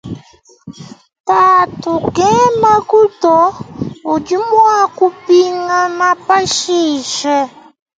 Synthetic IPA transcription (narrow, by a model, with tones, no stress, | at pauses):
ta˨tu˨ɡɛ˦ma˦ku˦tɔ˨˦o˨d͡ʒi˦mwa˦ku˦pi˦ŋa˦ma˦pa˦ʃi˦˨ʃɛ˦